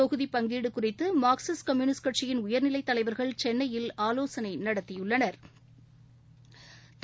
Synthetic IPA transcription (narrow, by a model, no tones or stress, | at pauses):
ɔɣɯðipɐŋɡiːɽɯkʊrɪt̪ːɯmaːksɐskɐmjuːnɪskɐʈt͡ʃɪjɪnʊjɐɾnɪlɐɪt̪ːɐlɐɪʋɐɾɣɐɭt͡ʃɛnːɐjɪlaːloːsɐnɐɪnɐɽɐt̪ːɪjɯɭːɐnɐɾ | t̪